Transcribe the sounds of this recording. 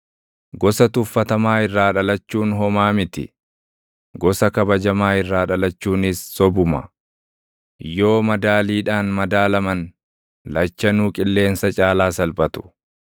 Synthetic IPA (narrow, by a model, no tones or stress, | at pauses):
ɡɔsɐt̪ʊfːɐt̪ɐmaːɪrːaːᶑɐlɐt͡ʃːuːnɦɔmaːmɪt̪ɪ̰ | ɡɔsɐkɐbɐd͡ʒɐmaːɪrːaːᶑɐlɐt͡ʃːuːnɪsːɔbʊmɐ̰ | jo̞ːmɐd̪aːliːᶑaːnmɐd̪aːlɐmɐn | lɐt͡ʃːɐnuːkʼɪlːe̞ːnsɐt͡ʃʼaːlaːsɐlbɐt̪ʊ̥